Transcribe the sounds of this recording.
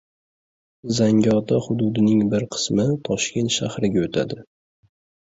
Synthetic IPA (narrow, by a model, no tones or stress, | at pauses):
zaŋɡʲɒt̪ʰahʊd̪ʊd̪ɪnɪŋbɪɾqʰɨ̥smɪt̪ʰɒʃkʲe̞nt̪ʃahɾɪɡʲaot̪ʰa̰d̪ɪ